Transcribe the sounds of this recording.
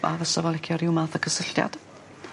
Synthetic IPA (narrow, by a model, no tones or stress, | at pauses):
a̰vəsɔvɔlˠɛkʰjɔɾɪwmaθəkʰəsəɬja̰d̥